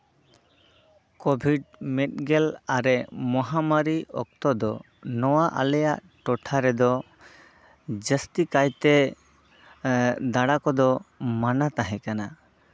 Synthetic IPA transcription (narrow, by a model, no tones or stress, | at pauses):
kɔbʱiɖmɛt̪̚ˀɡɛlaɾɛmɔɦamaɾiɔ̰k̚t̪ɔd̪ɔ | nɔwaʔa̰lɛjaʔ | ʈɔʈʰaɾɛd̪ɔ | d͡ʒəst̪ikajt̪ɛ | d̪aɽakɔd̪ɔmanat̪aɦɛ̃kana